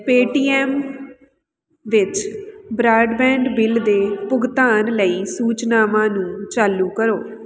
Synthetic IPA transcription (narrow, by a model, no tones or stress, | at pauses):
peːʈiːɛːm | ʋɪt͡ʃbɾaːɖbɛ̃ːɳɖbɪld̪eːpʊɡt̪aːnləiːsuːt͡ʃnaːʋãːnũːt͡ʃaːlũːkəɾoː